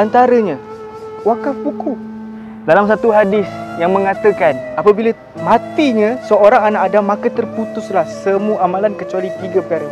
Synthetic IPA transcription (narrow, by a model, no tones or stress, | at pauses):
ant̪aɾəɲã | wakapuku | dalamsat̪uɦadɪsjaŋmə̃ŋat̪əkanapəbila | mãt̪iɲãsəoɾaŋanaʔadamãkat̪ərput̪ʊslahsəmuəʔamãlankət͡ʃualit̪iɡapəkaɾə